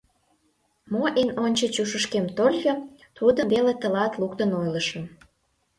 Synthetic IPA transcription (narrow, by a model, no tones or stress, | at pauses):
moʔenonʲt͡ɕə̆t͡ɕuʃəʃ̬kemt̪olʲxot̪ud̪əβelet̪əlɑt̪luk̚t̪ənojləʃə̆